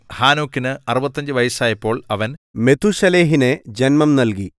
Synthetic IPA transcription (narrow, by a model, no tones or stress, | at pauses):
haːnoːkːinɨɐrubɐt̪ːɐɲd͡ʑɨʋɐjɐsaːjɐpːo̞ːɭɐʋɐnme̞t̪ʰuɕɐleːɦine̞d͡ʑenmɐmnɐlk̬i